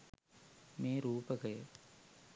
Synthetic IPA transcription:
meːɾuːpɐkɐjɐ

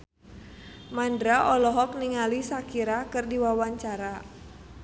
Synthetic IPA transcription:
mandɾaʔɔlɔɦɔk̚niŋalisakiɾakɨrdiwawaɲt͡ʃaɾa

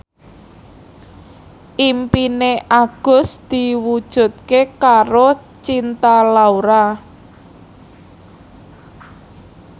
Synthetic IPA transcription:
ʔimpineʔaɡ̥ʊ̤sd̪̥i̤wud̥ʒ̥ṳt̪̚kekaɾo | t͡ʃint̪alauɾa

